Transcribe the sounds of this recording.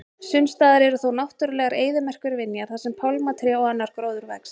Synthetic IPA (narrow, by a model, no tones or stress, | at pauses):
sʏnst̪aːðɪɾɛɾʏθownawht̪ʏɾʏlɛːɣaɾeːjðʏmɛr̥kʏɾvɪnːjaɾ̥θasɛmpʰawlmat̪ʰɾjɛɔɛnːaɾ̥kɾowðʏɾvɛks